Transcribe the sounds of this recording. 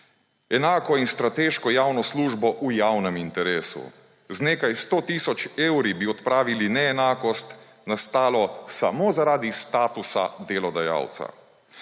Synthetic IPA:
ɛnaːkɔinst̪ɾat̪eːʃkɔjaːwnɔsluːʒbɔʔujawnɛmint̪ɛɾeːsṵ | zneːkajst̪oːt̪iːsɔt͡ʃeːwɾibiɔt̪pɾaːʋilinɛɛnaːkɔst̪ | nast̪aːlɔsa̰mozaɾaːd̪ist̪aːt̪usa̰d̪elɔd̪aja̰ːwt̪sa̰

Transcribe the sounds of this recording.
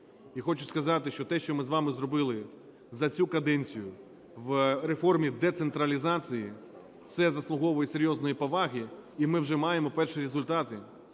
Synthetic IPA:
ixɔt͡ʃʊskɐzɑt̪ɪʃt͡ʃɔt̪ɛʃt͡ʃɔmɪzʋɑmɪzrɔbɪlˠɪ | zɐt͡sʲukɐd̪ɛnʲt͡sʲijʊ | ʋɾefɔrmʲid̪ɛt̪sent̪ɾɐlʲizɑt͡sʲiji | t̪sɛzɐslˠʊɦɔʋɔjiseɾʲjɔznɔjipɔʋɑɦiimɪwʒɛmɑjemɔpɛrʃiɾezʊlʲt̪ɑt̪ɪ

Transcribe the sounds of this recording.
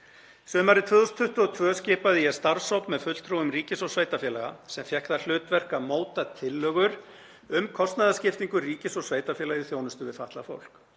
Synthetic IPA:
sœːmaɾɪt̪ʰvʏːðɔst̪ʰʏht̪ʏɔt̪ʰvœːscɪːpaðɪjɛst̪aɾsowpmɛðfʏt̪l̥t̪ʰɾuwʏmriːcɪsɔsvaːjt̪afjɛːlaɣa̰sɛmfjɛhkθal̥ʏːt̪vɛr̥kamoːwt̪at̪ʰɪlːœɣʏɾ̥ | ʏmkʰɔst̪naðascɪft̪iŋkʏriːcɪsɔsveːjt̪afjɛːlajʏθjownʏst̪ʏvɪðfaht̪lafo̰wl̥k

